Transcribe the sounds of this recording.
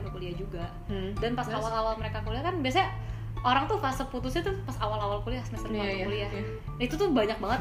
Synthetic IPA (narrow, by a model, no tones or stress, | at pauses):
nukuliahd͡ʒuɡa | danpasawalawalməɾekakuliakanbias̬aɲa | oɾaŋt̪ʊhfasəput̪ʊsɲat̪ʊpasawalawalkuliasəməsərkaakuliah | it̪ut̪ʊhbaɲak̚baŋət̪